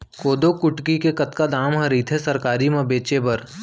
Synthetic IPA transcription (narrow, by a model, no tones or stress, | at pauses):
koːd̪okʊʈkikekɐt̪kad̪aːmɦɐɾit̪ʰɦɛsɐɾkaːɾimɐ̃beːt͡ʃebɐɾ